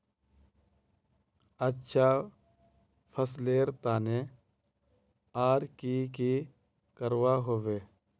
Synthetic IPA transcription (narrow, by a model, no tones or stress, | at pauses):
ətːʃʰaː | pʰəsleːɾt̪aːne | aːɾkiːki | kəɾwaːɦoːʋeː